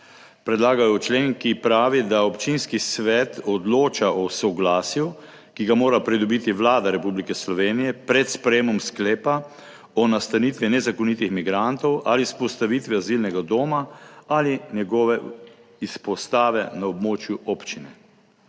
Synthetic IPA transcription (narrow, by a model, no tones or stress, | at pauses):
pɾɛd̪laːɡajɔt͡ʃleːnkipɾaːʋid̪aɔpt͡ʃinskisʋɛt̪ɔd̪loːt͡ʃaɔsɔɡlaːsju | kiɡamoːɾapɾid̪ɔbit̪iʋlaːd̪aɾɛpublikɛslɔʋeːnijɛpɾɛt̪spɾɛjeːmɔmskleːpa | ɔnast̪anit̪ʋinɛzakɔnit̪ixmiɡɾant̪ɔwʔalispɔst̪aʋit̪ʋɛazilnɛɡad̪oːmaalinjɛɡɔːʋɛ | ispɔst̪aːʋɛnaɔbmoːt͡ʃjuɔːpt͡ʃinɛ